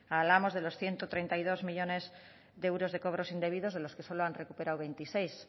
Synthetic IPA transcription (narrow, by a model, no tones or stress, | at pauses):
aβlamo̞zð̞e̞lo̞sθje̞nt̪ot̪ɾe̞jnt̪ajðo̞zmiʎo̞ne̞z | ðeewɾo̞zð̞e̞ko̞β̞ɾo̞sind̪e̞β̞iðo̞zðe̞lo̞ske̞so̞loanre̞kupe̞ɾawβe̞jnt̪isejs